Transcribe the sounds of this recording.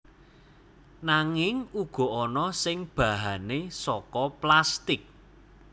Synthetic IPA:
naŋɪŋuɡ̥ɔ̤ɔnɔsɪŋb̥ä̤ɦanesɔkɔplast̪ɪk̚

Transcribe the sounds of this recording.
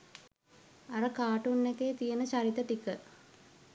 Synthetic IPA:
aɾəkaːʈunːekeːt̪ijənət͡ʃaɾit̪ət̪ikə

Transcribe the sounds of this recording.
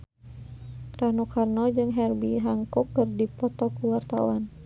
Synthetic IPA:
ɾanukʰarnɔd͡ʒɨŋɦɛrbiɦaŋkɔkːɨrdipɔt̪ɔkuwart̪a̰wan

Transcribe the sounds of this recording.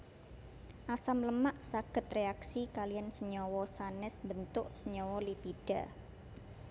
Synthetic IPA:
ʔasamləmaʔsaɡ̥ə̤t̪̚reaksikalijansəɲɔwɔsanɪsmbənt̪ʊʔsəɲɔwɔlipiɖ̥a̤

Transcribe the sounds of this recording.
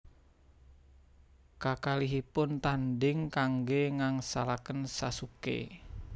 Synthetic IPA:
kakaliɦipʊnt̪andɪŋkaŋɡeŋaŋsa̰lakənsasukḛ

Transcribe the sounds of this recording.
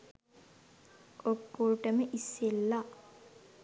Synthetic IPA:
okːolʈəməʔisːelːa

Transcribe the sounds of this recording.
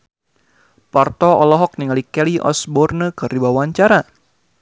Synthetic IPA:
part̪ɔɔlɔɦɔk̚niŋalikɛliʔɔ̰sbɔrnəkɨribawaɲt͡ʃaɾa

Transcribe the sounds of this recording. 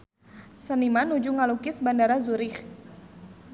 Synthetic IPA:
sənimanud͡ʒuŋalukɪsbandaɾazuɾɪx

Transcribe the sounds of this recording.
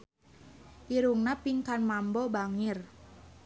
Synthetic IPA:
ʔiɾuŋnapiŋkanmambɔbaŋɪr

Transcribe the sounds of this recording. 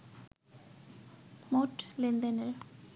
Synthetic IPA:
moʈlind̪əneɾ

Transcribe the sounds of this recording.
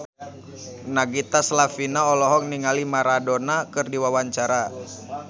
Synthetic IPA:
naɡit̪aslafinaɔlɔɦɔkniŋalimaɾadɔnakɨrdiwawaɲt͡ʃaɾa

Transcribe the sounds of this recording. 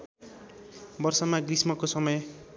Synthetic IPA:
bʌrsʌmaɡrismʌkosʌmʌj

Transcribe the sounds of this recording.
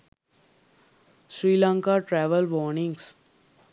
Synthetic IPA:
sɾiːlãːŋkaʈɾɛːʋəlʋɔːɾnɪ̃ŋɡs

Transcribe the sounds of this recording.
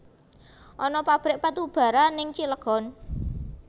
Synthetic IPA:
ʔɔnɔpab̥ɾɪʔpat̪ub̥a̤ɾanɪŋt͡ʃiləɡ̥ɔ̤n

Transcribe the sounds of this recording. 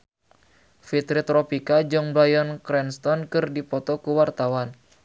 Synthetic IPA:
fit̪ɾit̪ɾɔpikad͡ʒɔŋbɾajɔnkɾɛnst̪ɔnkɨrdipɔt̪ɔkuwart̪awan

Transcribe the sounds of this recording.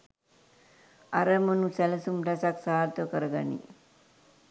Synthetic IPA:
ɐɾɐmɐnusɛlɐsumɾɐsaksaːlt̪okɐɾɐɡɐnḭ

